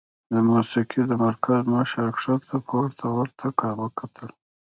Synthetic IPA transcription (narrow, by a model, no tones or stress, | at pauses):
d̪əmusiqid̪əmaɾkʰazmaʃaɾkʂat̪ʰapʰəwaɾt̪ʰawaɾt̪ʰakɑɾwəkat̪ʰəl